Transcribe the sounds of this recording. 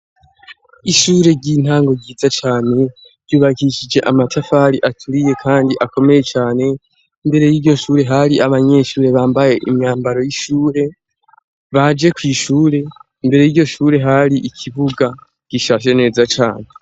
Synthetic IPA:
iʃuːɾe̞ɟin̥haːŋɡo̞ɡɟiːzat͡ʃaːne̞ | ɾɟuːβahiʃid͡ʒe̞ʔamatʰafaɾiʔatʰuɾije̞kʰaːndiʔako̞me̞je̞t͡ʃaːne̞ | imbe̞ɾe̞jiɾɟo̞ʃuːɾe̞ɦaɾiʔaβaɲe̞ʃuːɾe̞βaːmbaje̞ʔimɲaːmbaɾo̞jiʃuːɾe̞ | βad͡ʒe̞kwiːʃuːɾe̞ | imbe̞ɾe̞jiːɾɟoʃuːɾe̞ɦaɾiʔikʰiβuɡa | ɡ̥iʃaːʃ̬e̞ne̞ːzat͡ʃa̰ːne̞

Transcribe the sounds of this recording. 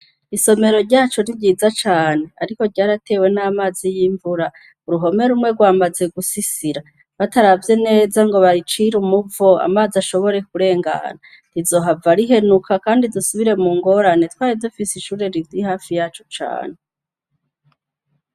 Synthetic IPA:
iso̞me̞ɾo̞ɾɟaːt͡ʃo̞ɾiɾɟiːzat͡ʃaːne̞aɾiko̞ɾɟaːɾatʰe̞ːwe̞namaːzijiɱvuɾa | uɾuɦo̞me̞ɾumŋeɾɡwaːmaze̞ɡusisiɾa | βataɾavje̞ne̞ːzaŋɡo̞βaɾit͡ʃiɾumuvoa̰maːziaʃo̞βo̞ɾe̞kuɾe̞ːŋɡa̰na | ɾizo̞ːɦavaɾiɦe̞nukʰakaːndidusuβiɾe̞muːŋɡo̞ɾane̞twaːɾivdufisiʃuːɾe̞ɾiɡdihaːfijaːt͡ʃo̥t͡ʃa̰ːne

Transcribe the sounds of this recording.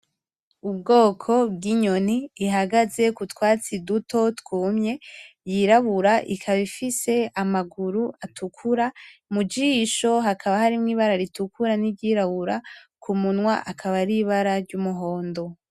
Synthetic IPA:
ub̚ɡo̞ːkʰo̞bɡiɲo̞niːɦaɡaze̞kutwaːt͡siduto̞tkwuːmɲe̞jiɾaβuɾaʔikʰaβifise̞amaɡuɾuatʰukʰuɾamud͡ʒiːʃo̞ɦakʰaβahaɾimŋiːβaɾaɾitukuɾanibɟiːɾaβuɾakʰumunŋwaʔakʰaβaɾiβaɾaɾɟumuɦo̞ːndo̞

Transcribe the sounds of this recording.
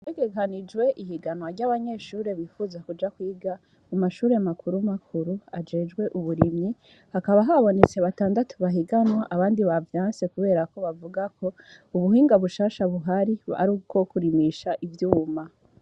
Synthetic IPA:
teɡe̞kanid͡ʒwe̞ʔihiɡanwaɾɟaβaɲe̞ʃuːɾe̞βifuːzakud͡ʒakwiːɡa | umaʃuːɾe̞makuɾumakʰuɾuad͡ʒe̞d͡ʒɡwe̞ʔuβuɾimɲi | hakaβaɦaβo̞ne̞t͡se̞βataːndatʰoβaɦiɡanwaʔaβaːndiβavjãːnsekuβe̞ːɾako̞βavuɡako̞ | uβuɦiːŋɡaβuʃaːʃaβuɦaɾia̰ɾuko̞kuɾimiʃaʔivjuːma

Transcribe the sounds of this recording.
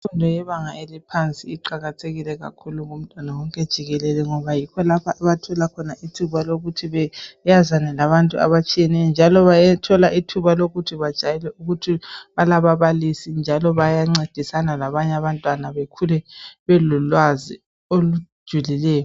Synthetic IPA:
ifundʱɔjɛβaŋaelipʰant͡sʼiːǃaɣatʰeɣilɛɣa̰kʰuluŋum̩tʼwanawɔŋkʼɛd̥ʒ̥ʱiɣɛlɛlɛŋɔβajikʰɔlapʰaʔɛβatʰɔlakʰɔnaʔitʰuβaloɣutʰiβɛjazanɛlaβantʼua̰βat͡ʃʼijɛnɛjɔnd͡ʒʱalɔβajatʰɔlaʔitʰuβaloɣutʰiβad̥ʒ̥ʱajɛlɛuɣutʰiβalaβaβalisind͡ʒʱalɔβajaŋ͡ǀed̥ʱisanalaβaɲaβantʼwanaβekʰulɛβɛlulwazi | olud̥ʒ̥ʱulilɛːjɔ

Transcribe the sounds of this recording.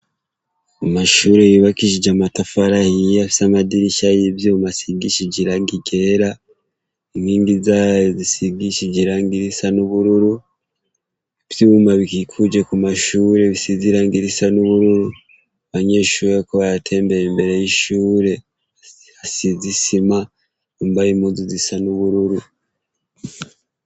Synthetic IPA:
amaʃuːɾejiβakiʃ̬id͡ʒamatafaɾahiafi̥samadiɾiʃajivjomasiɡiʃiɟiɾaːŋɡiɡe̞ɾa | iŋiːŋɡizaːjozisiɡiʃid͡ʒiɾaːŋɡiɾisanuβuɾuɾu | eβjumaβikikʰud͡ʒekumaʃuːɾe̞βisiziɾaːŋɡiɾisanuβuɾuɾu | aβaɲe̞ːʃuːɾekoβajatʰe̞ːmbeɾembe̞ɾe̞jiʃuːɾe̞ | asizisima | ombaɾimuːzizisanuβuɾuɾu

